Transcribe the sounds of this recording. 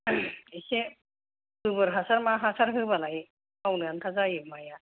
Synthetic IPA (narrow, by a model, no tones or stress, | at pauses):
ese | hɯbɯɾɦasaɾmaɦasaɾɦɯbalaj | awnɯjant̪ʰazajɯmaja